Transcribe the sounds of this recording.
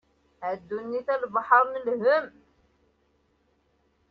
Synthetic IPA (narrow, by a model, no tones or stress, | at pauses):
æd̪ːunːiθælbɑħəɾˤnəlhəm